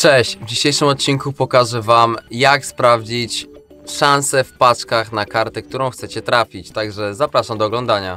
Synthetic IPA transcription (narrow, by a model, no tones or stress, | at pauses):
t͡ʂɛɕt͡ɕvd͡ʑiɕejʂɘmɔt̪̚t͡ɕiŋkupɔkaʐɛvamjakspɾavd͡ʑit͡ɕ | ʂãñsɛfpat͡ʂkaxnakaɾt̪ɛk̚t̪uɾɔ̃w̃xt̪sɛt͡ɕɛt̪ɾafʲit͡ɕt̪aɡʐɛzapɾaʂamd̪ɔːɡlɔ̃nd̪aɲa